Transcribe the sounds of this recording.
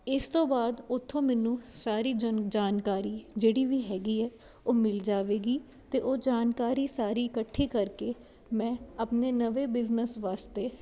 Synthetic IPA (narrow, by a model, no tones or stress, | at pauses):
ɪst̪õːbaːd̪ʊt̪ʰːõːmɛːnũːsaːɾiːd͡ʒd͡ʒaːnkaːɾiːd͡ʒeːɽiːʋiːɦɛːɡiːɛː | oːmɪld͡ʒaːʋeːɡiː | t̪eːʔoːd͡ʒaːnkaːɾiːsaːɾiːɪkəʈʰːiːkəɾkeː | mɛ̃ːəpneːnəʋeːbɪznəsʋaːst̪eː